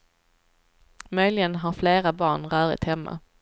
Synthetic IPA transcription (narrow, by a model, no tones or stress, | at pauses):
mœjlɪɡənɦaɾfleːɾabɑːɳɾœːɾɪ̰t̪hɛmːa̰